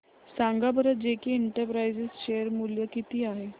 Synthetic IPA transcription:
sãŋɡabʱəɾət̪̚d͡ʑekiːɳʈəɾpɾajzesɕejəɾmuljəkit̪iːaɦe

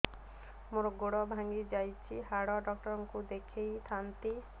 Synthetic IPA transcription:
moɾɔɡoɽɔbʱaŋɡid͡ʒajt͡ʃʰiɦaɽɔɖɔk̚ʈɔɾɔŋkud̪ekʰejt̪ʰant̪i

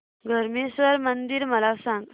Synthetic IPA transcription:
ɡʱəɾmesʋəɾmənd̪iɾməlasãŋɡ

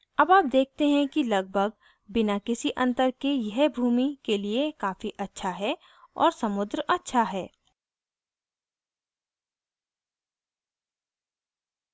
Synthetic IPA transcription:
ɐbaːp̚d̪eːk̚ʰt̪eɦɛ̃kilɐɡ̚bʱəɡ̚ | bɪnakɪsiʔɐ̃nt̪əɾkejɐɦbʱuːmikeliekaːfiʔɐtːʃʰaɦɛ | ɔ̰ːɾsɐmʊd̪ɾɐtːʃʰaɦɛː

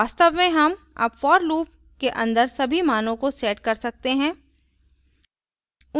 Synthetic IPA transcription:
aːst̪əʋmẽɦɐm | a̰ːpfɔːɾluːp | keʔɐ̃nd̪əɾsɐbʱimaːnõkoseːʈkɐɾsɐk̚t̪eɦɛ̃ː | ʊ

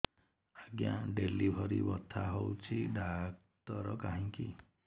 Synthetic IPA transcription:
aɡjaɖelibʱɔɾibɔt̪ʰːaɦowt͡ʃʰiɖak | t̪ɔɾɔkaɦĩŋki

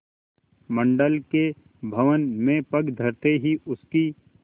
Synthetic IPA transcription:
mə̃ɳɖəlke | bʱɐʋənmẽpɐɡd̪ʱəɾt̪eɦiʔʊski

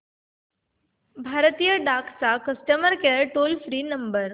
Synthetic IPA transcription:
bʱaɾt̪ijəɖakʰt͡sakəsʈəməɾkeɾʈolfɾiːnəmbəɾ

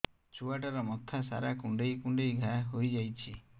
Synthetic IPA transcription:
t͡ʃuaʈaɾɔmɔt̪ʰasa̰ɾakuɳɖejkũɳɖejɡʱaɦojd͡ʒajt͡ʃʰi

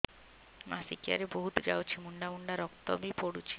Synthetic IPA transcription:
ma̰sikia̰ɾeboɦut̪d͡ʑawt͡ɕʰimuɳɖamuɳɖaɾɔkt̪o̰bipoɽut͡ɕʰi̥

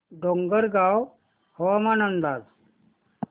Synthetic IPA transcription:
ɖoŋɡəɾɡaw | hɔʋamanənd̪al

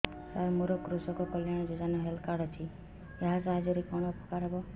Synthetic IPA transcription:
saɾmuɾɔkɾusɔkɔkɔljaɽ̃ɔd͡ʒud͡ʒanɔɦelkaɽɔt̪ʰi | eɦasaɦid͡ʒɔɾikɔɽ̃ɔpʰɔ̥kaɾɔbɔ

